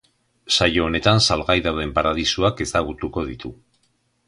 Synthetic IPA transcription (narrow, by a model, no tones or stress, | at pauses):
sajo̞ːne̞t̪ansalɣajðawðe̞mpaɾað̞isuake̞saɣut̪uko̞ð̞it̪u